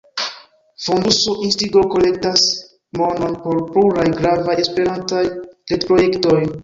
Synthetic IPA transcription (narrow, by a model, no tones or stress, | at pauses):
fondusoʔinstiɡoko̞le̞ktas | mo̞no̞npo̞ɾpluɾajɡɾavajespe̞ɾantajletpɾo̞je̞kto̞j